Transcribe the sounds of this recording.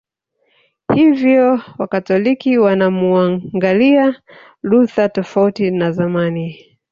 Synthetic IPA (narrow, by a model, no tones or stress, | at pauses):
hivjɔwakatɔlikiwanamuaŋɡalia | luθatɔfautinazamani